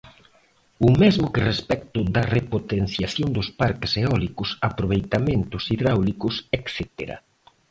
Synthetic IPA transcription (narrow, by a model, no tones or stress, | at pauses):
ʊmɛzmʊkɪrespɛkt̪ʊd̪ɐrepot̪en̟θjaθjond̪ʊspaɾkɪseɔlikʊsapɾoβ̞ejt̪ament̪ʊsiðɾawlikʊsekθɛt̪ḛɾa̰